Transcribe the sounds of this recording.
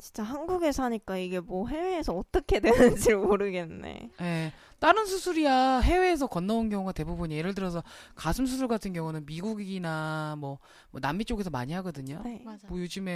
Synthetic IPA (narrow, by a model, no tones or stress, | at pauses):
t͡ɕinnt͡ɕ͈aɦanɡuɡe̞sʰaɲik͈aiɡe̞mwʌɦe̞we̞ːsʰʌːt͈ʌkʰe̞dwe̞nɯnd͡ʑiɾɯmoɾɯɡe̞nːḛje̞ | t͈aɾɯnsʰusʰuɾiaɦe̞we̞ːs̬ʰʌkʌnːaunɡjʌŋuɡate̞bubuɲjeɾɯɭt̬ɯɾʌs̬ʰʌkasʰɯms̬ʰus̬ʰuɭɡatʰɯnɡjʌŋunɯnmiɡuɡinamwʌ | moʌnamːit͡ɕ͈oɡe̞sʰʌma̰ɲiɦaɡʌdɯɲomʌjod͡ʑɯme̞